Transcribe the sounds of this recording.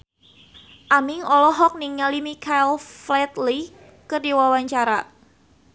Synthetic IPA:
ʔamɪŋɔlɔɦɔk̚niŋalimikʰajlflɛt̪li | kərdiwawaɲt͡ʃaɾa

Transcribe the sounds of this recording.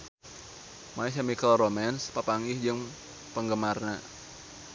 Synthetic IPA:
maɛs̬jamikəlromɛnspapaŋɪhd͡ʒɨŋ | pəŋɡəmarna

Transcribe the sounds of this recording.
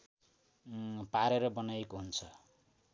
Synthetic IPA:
paɾeɾʌbʌnajekoɦunt͡sʰʌ

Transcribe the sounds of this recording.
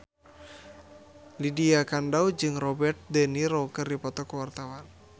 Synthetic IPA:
lidiakandawd͡ʒɨŋrɔbɛrt̪̚d̪əniɾɔkərdipɔt̪ɔkwart̪awan

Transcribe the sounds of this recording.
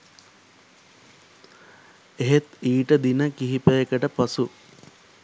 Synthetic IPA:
eɦet̪iːʈəd̪inəkiɦipəjekəʈəpɐsu

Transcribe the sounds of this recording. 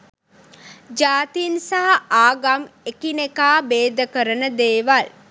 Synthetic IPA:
d͡ʒaːt̪insaɦaʔaːɡamekinekaːbeːd̪əkəɾənəd̪eːʋal

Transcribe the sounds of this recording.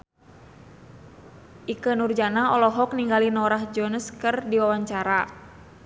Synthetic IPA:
ʔikənurd͡ʒanaɔlɔɦɔkniŋɡalinɔɾahd͡ʒɔnəskərdiwawaɲt͡ʃaɾa

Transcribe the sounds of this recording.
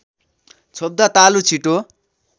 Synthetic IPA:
t͡sʰob̚d̪at̪alut͡sʰiʈo

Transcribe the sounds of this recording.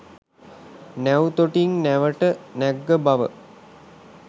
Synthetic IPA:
næwt̪oʈiŋnæʋəʈənæɡːəbaʋə̰

